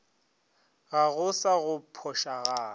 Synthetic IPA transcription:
ɣaɣʊsaɣʊpʰɔʃaɣaː

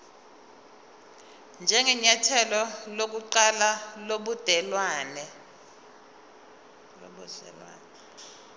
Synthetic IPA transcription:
nd͡ʒʱɛŋɛɲatʰɛlɔlok̬uǃalaloɓud̥ʱɛlwaːnɛ | lo̰ɓud̥ɛ̰lwa̰ːnɛ

